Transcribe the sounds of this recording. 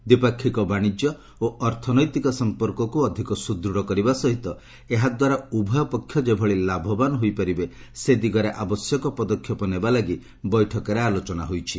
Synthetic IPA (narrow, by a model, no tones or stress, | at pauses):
d̪ipakʰːikɔbaɽ̃id͡ʒjɔ | oʔɔɾt̪ʰɔnɔjt̪ikɔsɔmpɔɾkɔkuɔd̪ʱikɔsud̪ɾuɽɔkɔɾibasɔɦit̪ɔ | eɦad̪waɾaubʱɔjɔpɔkʰːjɔd͡ʒebʱɔɭilabʱɔbanɔɦojpaɾibe | sed̪iɡɔɾeʔabɔsjɔkɔpɔd̪ɔkʰjɔpɔnebalaɡi | bɔjʈʰɔkɔɾealot͡ʃɔna̰ɦojt͡ʃʰi